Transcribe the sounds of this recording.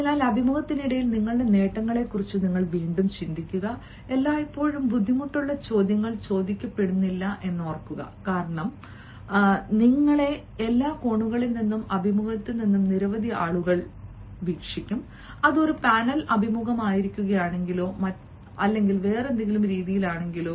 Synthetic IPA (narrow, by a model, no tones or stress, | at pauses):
enaːlɐbʱimuɣɐt̪ːiniɽɐjilniŋːɐɭɽe̞ne̞ːʈːɐŋːɐɭe̞kːurit͡ɕːuniŋːɐɭʋiːɳɖumt͡ɕind̪ikʲːuɣɐ | e̞lːaːipːo̞ːɻumbud̪ʱːimuʈːuɭːɐt͡ɕo̞ːd̪jɐŋːɐɭt͡ɕo̞ːd̪ikʲːɐpːe̞ɽunːilːɐʔe̞nːoːrkːuɣɐ̰kaːɾɐɳɐm | niŋːɐɭe̞ | elːaːko̞ɳːuɣɐɭilninːumɐbʱimuɣɐt̪ːɨninːumniɾɐʋɐd̪ʱiaːɭuɣɐɭ | ʋiːkʂikʲːum | ɐðo̞ɾupaːnɐlʔɐbʱimuɣɐmaːjiɾikʲːuɣɐjaːɳe̞ŋɡiloːmɐ | ɐlːe̞ŋɡilʋe̞ːrend̪iŋɡilumɾiːðijilaːɳe̞ŋɡiloː